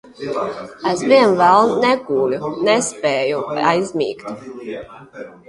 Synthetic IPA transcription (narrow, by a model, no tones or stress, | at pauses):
æzviɛnvɛlˠnɛɡuːlʲunɛspɛːjuajzmḭːkt̪